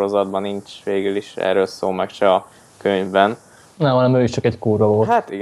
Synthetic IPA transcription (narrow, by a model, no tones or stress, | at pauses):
ɾozɒd̪̚bɒnːint͡ʃʋeːɡyliʃɛ̰ːɾøːlsoːlmɛkʃɛɒ | køɲvbɛn | nɛmɦɒnɛmøːiʃt͡ʃɒkɛckuːɾovoːhat̪iɡ